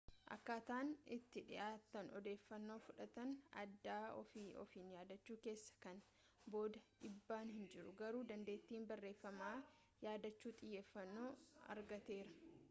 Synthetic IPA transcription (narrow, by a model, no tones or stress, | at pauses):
ʔɐ̰kːaːt̪aːnɪt̪ːɪᶑɪ̰ʔaːt̪ːɐnɔd̪e̞ːfːɐnːo̞ːfʊᶑɐt̪ɐnɐ̰d̪ːaːɔfiɔ̰fiːnjaːd̪ɐt͡ʃːuːke̞ːsːɐ̥kɐn | bo̞ːd̪ɐᶑɪbːaːnhɪnd͡ʒɪɾʊɡɐɾuːd̪ɐnd̪e̞ːt̪ːiːmbɐrːe̞ːfːɐmaː | jaːd̪ɐt͡ʃːuːt̪ʼɪjːeːfːɐnːo̞ːɐ̰ɾɡɐt̪e̞ːɾɐ